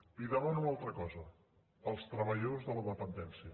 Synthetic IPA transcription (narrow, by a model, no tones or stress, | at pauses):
iðəβanunalˠt̪ɾəkɔzə | əlˠst̪ɾəβəʎozðələðəpənd̪ɛnsiə